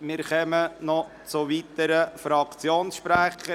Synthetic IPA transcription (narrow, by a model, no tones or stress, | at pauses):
mɪːɾχœmənɔ | t͡sʊʋit̪əɾəfɾɑkt͡sjoːnsʃpɾæχə